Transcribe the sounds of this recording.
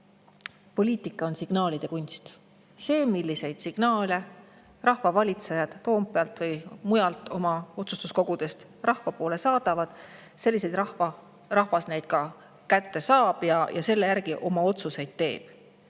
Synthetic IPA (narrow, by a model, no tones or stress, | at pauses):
po̞lʲiːt̪ˑikːˑɑo̞nsiɡ̥nɑːlid̪̥e̞kunʲst̪ | se̞ːmilʲːise̞jd̪̥siɡ̥nɑːle̞ | rɑhvɑvɑlʲit̪sejɑd̪̥ːo̞ːmpˑeɑlt̪vɤjmujɑlt̪ːˑo̞mɑo̞t̪sust̪usko̞ɡ̥ud̪̥e̞st̪ | rɑhvɑpo̞ːle̞sɑːd̪̥ɑvɑd̪̥ | se̞lʲːise̞jd̪̥rɑhɑ | rɑhvɑsnejd̪̥̚kɑ | kæt̪ːe̞sɑːb̥jɑjʔɑse̞lːe̞jærɡ̥iʔo̞mɑo̞t̪suse̞jd̪̥t̪e̞̰ːb̥